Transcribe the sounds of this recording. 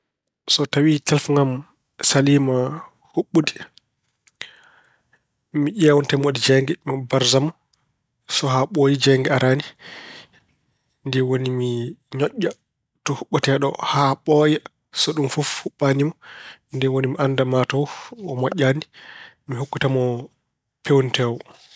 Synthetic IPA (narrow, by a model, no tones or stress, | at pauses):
sɔtawitalfuŋɡam | salima | huɓːudi̥ | miʔɛwɔntɛmodid͡ʒɛŋɡɛmibaɾzamɔ | sɔhaɓojid͡ʒɛŋɡɛaɾʔaːni | ndɛwonimiɲɔʔːa | tɔhuɓːutɛɗɔ̰haɓɔjɛ | sɔɗumfufhuɓːanimɔndɛwonimiʔandamatɔɔmɔʄʲːani | miɦukːutamɔ | pʰewntɛwɔ